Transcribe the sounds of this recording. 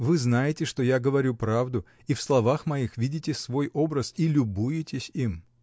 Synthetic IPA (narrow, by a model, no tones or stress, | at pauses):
vɨznajɪtʲɪʂt̪o̞jaɡəvɐɾʲupɾavd̪ʊ | ifslˠɐvaxmɐixvʲidʲɪtʲɪsvo̞jo̞bɾəsilʲʊbujɪtʲɪsʲim